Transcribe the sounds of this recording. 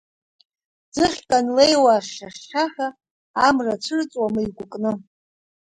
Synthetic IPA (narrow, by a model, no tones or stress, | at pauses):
d͡zɨχʲkʼanlejwaʃʃaχʃaħᶣa | amrat͡ʃʷʰɨrt͡sʼwamɨjɡʷʊkʼnɨ